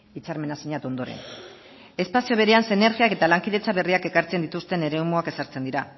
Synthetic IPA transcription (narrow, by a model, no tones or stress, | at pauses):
it͡saɾme̞nasiɲat̪o̞nd̪o̞ɾe̞̰n | e̞spasio̞β̞e̞ɾe̞ansene̞ɾɣiake̞t̪alaŋkiðe̞t͡saβe̞riake̞kaɾt͡send̪it̪ust̪e̞ne̞ɾe̞umuake̞saɾt͡se̞nd̪iɾa